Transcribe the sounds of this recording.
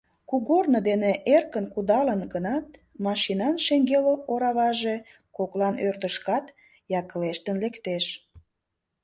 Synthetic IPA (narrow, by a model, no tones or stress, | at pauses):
kuɣornəd̪eneʔerkənkud̪ɑlənɡənɑt̪̚mɑʃinɑnʃeŋɡeloʔoɾɑβɑʒe | koklɑnørd̪əʃkɑt̪ | jɑkəleʃt̪ənlekt̪eʃ